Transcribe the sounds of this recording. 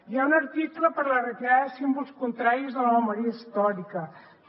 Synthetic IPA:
iaunəɾt̪ikləpəɾlərit̪aðəsimbulˠskunt̪ɾaɾizðələməməɾiəist̪ɔɾikə

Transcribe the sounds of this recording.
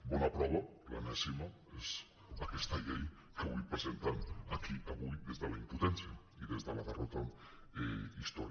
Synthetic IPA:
bonapɾaβopla̰nesimo | ez | akest̪aʎej | keβujpɾesent̪anakʰiʔaβujðezðelaimput̪ensja | iðezðelaðerot̪a | eist̪oɾ

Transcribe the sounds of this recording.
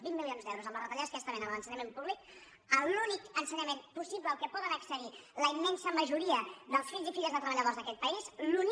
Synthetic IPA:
βimːilionzd̪ɛwɾuzəmlərət̪əʎaskɛst̪əβenəmlənsəɲəmempuβlik̚ | əlunikənsəɲəmempusiβləːlˠkɛpɔðənəksəðiləimːɛnsəməʒuɾiəðəlˠsfiʎzifiʎəzðət̪ɾəβəʎəðozðəkɛt̪̚pəizlun

